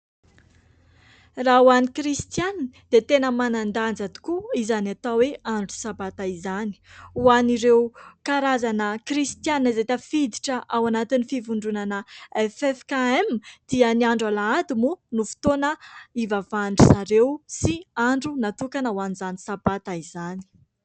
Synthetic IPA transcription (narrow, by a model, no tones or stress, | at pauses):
rawanikrist̪janid̪̥et̪enəmanand̪and͡zad̪i̥kuizanat̪aweaɳɖ͡ʐu̥sabat̪aizani̥uaniɾewkaɾazanəkɾist̪janiazet̪afid̪iʈ͡ʂəʔawanat̪inifivuɳɖ͡ʐunanəɛfɛfkaɛmd̪̥iəniaɳɖ͡ʐalaad̪imunufi̥t̪onəivavaɳɖ͡ʐusaɾewsiaɳɖ͡ʐunat̪ukanauanizanisabat̪aizani̥